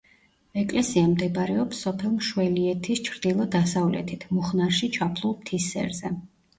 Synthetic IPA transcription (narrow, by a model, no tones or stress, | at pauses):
ɛkʼlɛsiamd̪ɛbɾɛɔpsɔpʰɛlˠmʃwɛliɛt̪ʰist͡ʃʰɾd̪̥ilˠɔd̪asavlɛ̰t̪ʰit̪ʰmuχnaɾʃit͡ʃʰapʰlˠulˠpt̪ʰisɛ̰ɾzɛ